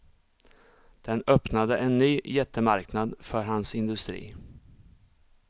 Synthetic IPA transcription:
d̪̥ɛnœpnad̪əʔɛnːyːjɛt̪ʰːəmaɾknad̪fœɾɦansɪnd̪ɵst̪ɾḭː

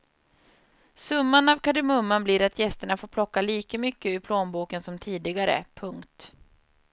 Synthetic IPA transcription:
sɵmːanavkʰaɖɛmɵmːanbliɾat̪ʰjɛst̪əɳafoːɾpʰlɔkːaliːkəmʏkːəʏpʰloːnbuːkənsɔmt̪ʰiːd̪ɪɡaɾə̰pʰɵŋkt̪

